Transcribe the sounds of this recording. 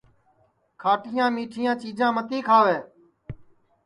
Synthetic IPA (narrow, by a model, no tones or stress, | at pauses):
kʰaːʈʰɪjãːmiːʈʰɪjãːt͡ʃiːd͡ʒãːmət̪iːkʰaːʋeː